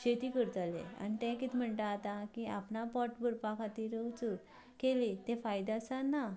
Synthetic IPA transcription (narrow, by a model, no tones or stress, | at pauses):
ɕet̪ikəɾt̪alḛa̰nit̪ɛ̃kit̪ʰm̤əɳʈ̪aːt̪akia̰pnapɔʈbəɾpakʰat̪iːɾət͡səɾ | kelet̪ẽfajd̪asanːa